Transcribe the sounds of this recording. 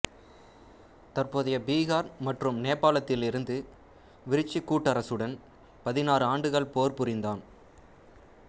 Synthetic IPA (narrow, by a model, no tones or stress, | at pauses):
t̪ɐrpoːðɐjɐbiːɣaːɾmɐʈrɯmneːpːaːlɐt̪ːɪlɪɾɯnd̪ɯ | ʋɪɾɪt͡ʃːikːuːʈːɐɾɐsɯɽɐn | pɐðɪnaːɾɯaːɳɖɯɣɐɭpoːrpɯɾɪnd̪aːn